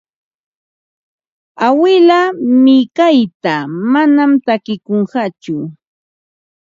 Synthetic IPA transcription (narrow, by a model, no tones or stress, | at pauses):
awɪlamɪkajt̪amanamt̪akɪkoɴɢɑt͡ʃʊ